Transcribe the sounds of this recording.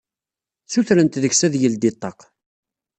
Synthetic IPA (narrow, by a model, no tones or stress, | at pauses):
θuθɾənt̪ðəçsæðjəld̪ɪt̪ˤːɑq